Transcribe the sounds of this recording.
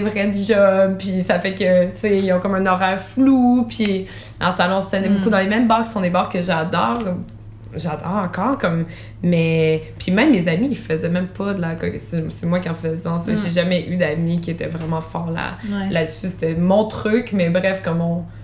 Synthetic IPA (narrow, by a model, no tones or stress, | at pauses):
sevʁɛd̪yʒɔmpisafɛkət͡seilɔ̃kɔmɛ̃nɔʁɛʁflupʰi | ɑ̰̃salɔ̃ɔ̃sɛnɛbokud̪ɑ̃lemɛmbɑːʁkʲi̥sɔ̃d̪ebɑːʁkəʒad̪ɔːʁ | ʒad̪ɔːʁɑ̃kɑːʁkɔmː | ɛpʰimɛ̃mːezamiifəzɛmɛ̃mpad̪lakɔsesɛmwakʲiɑ̃fəzɑ̃seʒeʒamɛʔyd̪amikʲiet̪ɛ̰vʁɛmɑ̃fɔːʁla̰lad̪syse̥t̪ɛmɔ̃t̪χykmɛbʁɛfkɔmɔ̃